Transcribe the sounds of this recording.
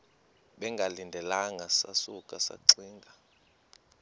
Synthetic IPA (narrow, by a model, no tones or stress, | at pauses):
ɓɛŋɡʱalindʱɛlaŋʱasasukʼasa̰ǀiːŋɡʱa